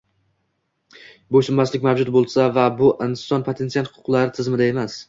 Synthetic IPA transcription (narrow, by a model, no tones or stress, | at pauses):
boʃɪmmaslɪkʲmavd͡ʒʊt̪̚bolˠsavabʊʔɪnsɒnpʰot̪ʰe̞nsialˠhʊqʰʊ̥qlˠaɾɪt̪ʰɪzmɪd̪ae̞mas